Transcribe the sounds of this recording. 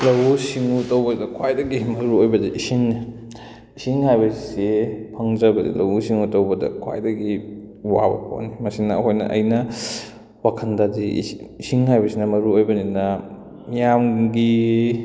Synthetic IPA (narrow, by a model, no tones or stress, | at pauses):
lɐwusiŋutɐwbɐdɐkʰwajdɐɡimɐɾuojbɐdiʔisiŋni | isiŋhajbɐssepʰɐŋd͡ʒɐbɐdḭlɐwusiŋutɐwbɐdɐ̰kʰwa̰jdɐɡi | wa̰bɐ̰kʰo̰nːimɐsinɐ̰ɦojnɐ̰ʔɐ̰jnɐ | wakʰɐndadḭisiŋhajbɐsinɐmɐɾuojbɐninɐ | mijamɡi